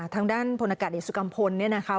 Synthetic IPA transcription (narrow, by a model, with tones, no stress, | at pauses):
t̪ʰaː˧ŋdaː˥˩npʰo˧nʔa˧kaː˨˩t̪̚je˨˩su˨˧ka˧mpʰo˧nːi˥˩ɐna˦˥kʰa˦˥